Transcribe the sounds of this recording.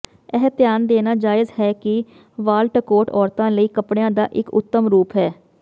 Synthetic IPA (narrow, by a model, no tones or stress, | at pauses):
ɛɦt̪ɪjaːnd̪eːnaːd͡ʒaːɪzhɛːkɪ | ʋaːlʈəkoːʈɔːɾt̪ãːləiːkəpɽeãːd̪aːʔɪkʊ̰t̪ːəmɾuːpɦɛː